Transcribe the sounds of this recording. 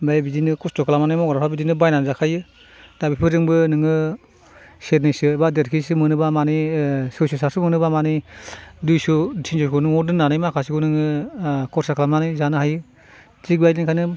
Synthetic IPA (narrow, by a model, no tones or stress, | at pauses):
bajbidinɯkɔstokʰlamanajmɔɡaɾapʰabidinɯbajnanzakʰajɯ | d̥abipʰɯɾzɯŋbɯnɯŋɯ | seɾnijsɯbadeɾkʰisɯmɯnɯbamanisɯsusasɯmɯnɯbamanidujsutʰinsoskunɯŋɔɾdɯnːanajmakʰasiɡunɯŋɯkɔɾsakʰalamnanɯjzanɯɦajɯ | ziɡbajniŋkʰanɯ